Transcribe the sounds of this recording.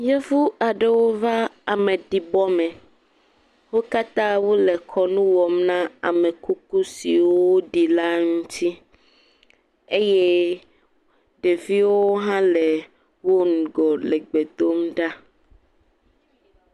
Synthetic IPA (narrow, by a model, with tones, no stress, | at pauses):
jɛ˦fu˦a˨ɖe˨wo˦va˦a˨me˨ɖi˨bɔ˦mɛ̃˨ | wo˦ka˦t̪ã˦wo˦lɛ˨kʰɔ˨nũ˦wɔ˨mnã˦a̰˨me˨ku˦ku˦si˨wo˦ɖi˨la˦ŋũ˦t̪ʰi˦ | e˦je˦ | ɖe˨vi˦wo˦ɦã˦le˨ | wo˦ŋũ˨ɡɔ˨le˨ɡ͡be˨d̪o˦mɖa˦